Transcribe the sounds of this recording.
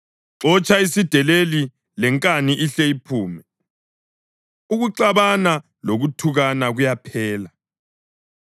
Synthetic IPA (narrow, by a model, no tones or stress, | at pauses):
ǁɔt͡ʃʼaisid̥ʱɛleli | lɛŋkʼaniʔiɬɛipʰuːmɛ | uɣuǀaβana | loɣutʰuɣanaɣujapʰɛːla